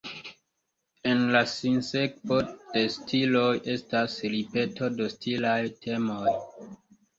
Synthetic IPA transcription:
e̞nlasinse̞k̚po̞d̥e̞stʰilo̞jʔe̞stasɾipe̞to̞do̞stʰilajtʰe̞moj

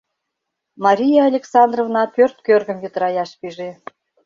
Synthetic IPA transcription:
mɑɾʲijɑɑlʲeksɑnd̪rovnɑpørt̪̚kørɣə̆mjyt̪əɾɑjɑʃpiʒe

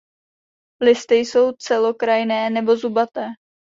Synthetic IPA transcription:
lɪst̪ɪjso̞wt͡sɛlo̞kɾajɪnɛːnɛbo̞zubat̪ɛː

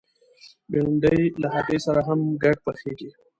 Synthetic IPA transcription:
belʊɳɖəjlaɦat̪esaɾaɦamɡaɖ̚pəxeɡi

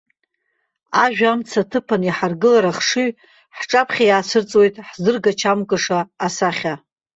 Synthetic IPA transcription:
aʒᶣamt͡sʰatʰɨpʰaniħarɡɨlaɾaχʂi | ħʈ͡ʂʼapʰχʲajaːsʰɨrt͡sʼwo̞jtʼħzɨrɡat͡ʃʰamkʼɨʂaːsaχʲa

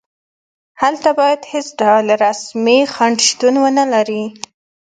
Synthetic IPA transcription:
halt̪abɑjad̪hesɖɑlaɾasmixaɳɖʃt̪unwənəlaɾi

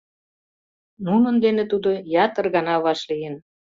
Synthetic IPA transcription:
nunə̆nd̪enet̪ud̪ojɑt̪ərɣɑnɑβɑʃlijen

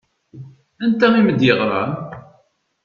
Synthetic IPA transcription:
ænt̪æiməd̪jəʁɾˤɑ̰n

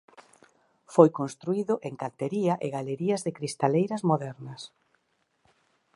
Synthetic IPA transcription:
fojkonst̪ɾuiðʊʔeŋkant̪eɾiɐʔeɣaleɾiɐzðɪkɾist̪alejɾɐzmoðɛɾnɐs

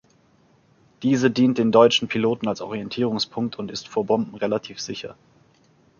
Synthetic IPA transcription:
d̥iːzədiːnt̚d̥eːndɔʏt͡ʃn̩pʰiloːtn̩alsʔɔ̰ʁ̞iɛntʰiːʁ̞ʊŋspʰʊŋk̚tʰʊntɪstfoːɐbɔmbm̩ʁelatʰiːfz̥ɪçɐ̰

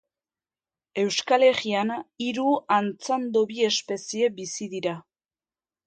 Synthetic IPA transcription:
e̞wskale̞ɣianiɾuant͡sand̪oβie̞spe̞sie̞bisiðiɾa

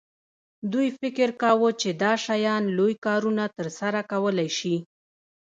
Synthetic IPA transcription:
d̪ujfɪkɪɾkawət͡ʃed̪ɑʃajɑnlojkɑɾunat̪əɾsaɾakawəlajʃi

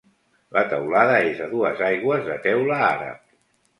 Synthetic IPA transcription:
lʔət̪əwlaðəezəðuəzajɣwəzðət̪ɛwləaɾə̰p̚

